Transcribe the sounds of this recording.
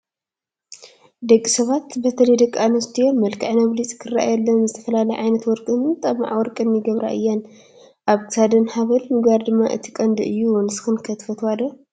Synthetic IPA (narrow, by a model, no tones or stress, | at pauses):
d̪ɐkʼːisɐβat̪bɐt̪ʰɐlɐjd̪ɐkʼːanɐst̪ʰijonmɐlkʰɐʕnɐβlisʼkʰɨrːa̰ʔa̰jɛlːɐnzɨt̪ʰɐfɐlalɐjʕajnɐt̪wɔɾkʼɨnt̪ʼɐma̰ʕawɔɾkʼɨnjɪɡɐβɾa̰ʔɨjːan | ʔaβkʰɨ̥sad̪ɐnhaβɐlmɨɡaɾd̪ɨmːa̰ʔɨ̰t̪ʰi̥kʼɐnd̪ɨɨjːunɨsɨ̥xɨnkʰɐt̪ʰfɐt̪ʰwad̪ɐ